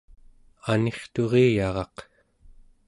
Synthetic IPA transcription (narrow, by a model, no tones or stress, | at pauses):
ane̞χt̪o̞ʁeːjɑʁɑq